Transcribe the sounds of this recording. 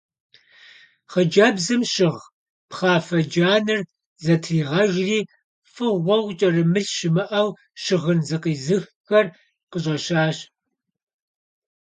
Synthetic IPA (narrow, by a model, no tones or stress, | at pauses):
χəd͡ʒɐbzɨmʃɪʁ | pχɑːfɐd͡ʒaːnɨr | zɐtʰiːʁɐʒriː | fɨʁʷɔwt͡ʃʼɐrɨmɨɬʃɪmɨʔɐw | ʃɪʁənzɨqiːzɨxxɐr | qəɕ̬ʼɐɕaːɕ